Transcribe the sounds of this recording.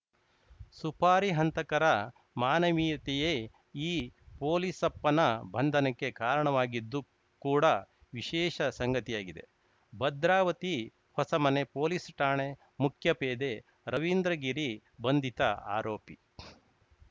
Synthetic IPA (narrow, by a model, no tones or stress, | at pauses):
supʰaːɾiɦɐnt̪ɐkɐɾɐ | maːnɐʋiːt̪ɛjeː | iːpoːlisɐpːɐnɐbʱɐnd̪ʱɐnɐkːe̞kaːɾɐɳɐʋaːɡid̪ːu | kuːɽɐ | ʋiʃɛːʃɐsɐŋɡɐt̪ijaːɡid̪e̞̰ | bɐd̪ɾaːʋɐt̪i | hɔsɐmɐne̞poːlisʈaːɳe | mukʰjɐpeːd̪e | ɾɐʋind̪ɾɐɡiɾi | bɐnd̪ʱit̪ɐa̰ːɾoːpi